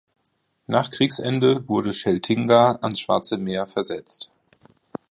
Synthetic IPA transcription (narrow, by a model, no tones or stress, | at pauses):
naːχkʁ̥iːksʔɛndəvʊɐdəʃɛltʰɪŋɡaʔansʃv̥a̰ɐt͡səmeːɐfɛɐzɛt͡st